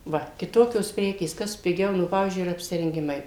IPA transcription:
ˈʋɐ kʲɪˈtoːkʲoːs ˈpʲrʲæːkʲeːs ˈkɐs pʲɪˈɡʲɛʊ ˈnʊ ˈpɑːʋʲiːzʲd͡ʒʲʊɪ ɪr ɐpʲsʲɪrʲɛŋʲˈɡʲɪmɐɪ

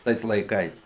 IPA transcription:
ˈtɐɪs lˠɐɪˈkɐɪs

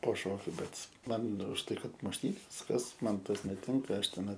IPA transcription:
poː ˈʃoːkʲʊ ˈbʲɛt ˈmɐn ʊʃ tɐɪ kɐt mʊʃʲˈtʲiːnʲeːs ˈkɐs ˈmɐn ˈtɐs nʲɛˈtʲɪŋkɐ ˈɐʃ tʲɛˈnɐɪ

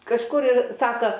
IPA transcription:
kɐʃˈkʊr ɪr ˈsɑːkɐ

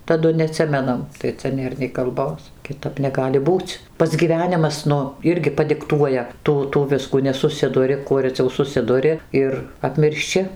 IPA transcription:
tɐˈdʊ nʲɛɐˈtʲsʲɪmʲɛnɐm tɐɪ ˈt͡sʲɛ ˈnʲeːr nʲɛɪ kɐlˠˈboːs kʲɪˈtɐp nʲɛˈɡɑːlʲɪ ˈbuːt͡s ˈpɐts ɡʲiːˈʋʲæːnʲɪmɐs ˈnʊ ˈɪrʲɡʲɪ pɐdʲɪkˈtuɔjɛ ˈtuː tuː ˈʋʲɪskuː nʲɛsʊˈsʲɪdʊrʲɪ ˈkuɔ rʲɛˈt͡sʲɛʊ sʊˈsʲɪdʊrʲɪ ˈɪr ɐpʲmʲɪrʲʃʲˈt͡ʃʲɪ

